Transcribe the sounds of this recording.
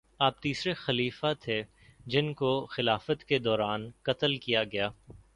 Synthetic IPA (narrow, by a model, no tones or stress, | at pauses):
aːp̚t̪iːsɾexɐliːfat̪ʰe | d͡ʒɪnkoxɪlaːfət̪ked̪ɔːɾaːnkɐt̪əlkijaɡɐjaː